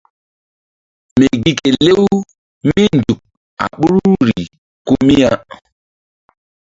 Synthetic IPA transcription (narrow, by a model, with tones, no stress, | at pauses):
me˨ɡi˦ke˨le˦w | mi˦n˨du˨k̚ | a̰˨ɓu˦ɾu˦ɾi˨ | ko˦mi˦ja˦